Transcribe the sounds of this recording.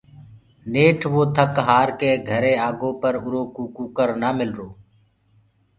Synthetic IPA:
neːʈʰʋoːt̪ʰəkɦaːɾkeːɡʱəɾeːaːɡõːpəɾʊɾoːkuːkuːkəɾnaːmɪlɾoː

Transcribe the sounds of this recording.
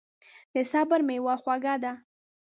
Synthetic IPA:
d̪̥əsabaɾmewɑxwaɡad̪a

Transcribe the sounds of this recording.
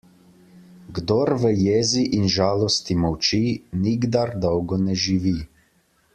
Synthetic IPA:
ɡd̪ɔɾʋəjeːziʔinʒaːlɔst̪imɔwt͡ʃiniɡd̪aɾd̪ɔwɡɔnɛʒiʋi

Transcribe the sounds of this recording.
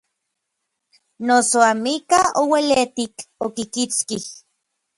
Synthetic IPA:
nosoamikaowelet̪ikokikit͡skih

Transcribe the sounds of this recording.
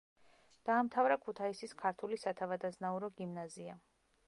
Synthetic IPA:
d̪̥aːmt̪ʰavɾakʰut̪ʰaisiskʰaɾt̪ʰulisat̪ʰavad̪aznauɾɔɡimnazia

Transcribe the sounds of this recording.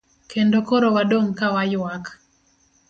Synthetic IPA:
kʰendokoɾowadoŋkawajʊwak

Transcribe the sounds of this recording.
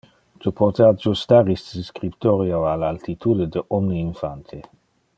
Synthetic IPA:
t̪upʰɔt̪ead͡ʒust̪aʁist̪diskɾipt̪oɾjoalalt̪it̪ʰud̪ed̪əʔɔmniinfant̪ʰe

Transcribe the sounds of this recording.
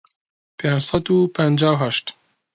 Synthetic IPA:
pʰend͡ʒsad̪upʰand͡ʒaːwɦaʃt̪

